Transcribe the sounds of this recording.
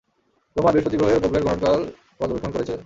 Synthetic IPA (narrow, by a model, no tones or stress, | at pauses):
t̪omabiʃpot̪iɡɾoeɾupobleɾɡɔnokal | kɔd̪obekʰːonkoɾet͡ɕʰe